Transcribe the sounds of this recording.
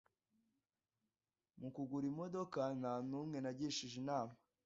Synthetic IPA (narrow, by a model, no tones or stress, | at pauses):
mukuɡuɾimo̞do̞kananuːmŋe̞naɟiʃiʒinaːma